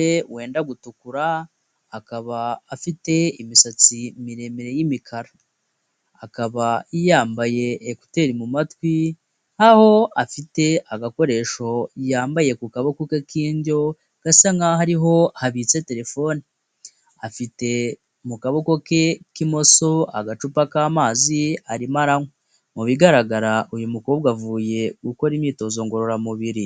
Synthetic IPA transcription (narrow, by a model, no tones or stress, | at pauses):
ewe̞ːndaɡutukuɾaː | kaβaːfite̞imisat͡simiɾe̞meɾe̞jimikʰaɾaː | kaβaijaːmbaje̞ːku̥te̞ɾimumatwi | haho̞afite̞aɡako̞ɾe̞ʃo̞ijaːmbaje̞kukaβo̞kokekiːɲɟo̞ | ɡ̥asaŋahaɾiɦo̞haβit͡se̞te̞ɾe̞fo̞ni | afite̞ | mukaβo̞koke̞kimo̞so̞a̰ɡat͡ʃupakaːmaːziaɾimaɾaŋo | muβiɡaɾaɡaɾaʔujumukobɡwavuːje̞ɡuko̞ɾimɲiːto̞zo̞ŋɡo̞ɾo̞ɾamuβiɾi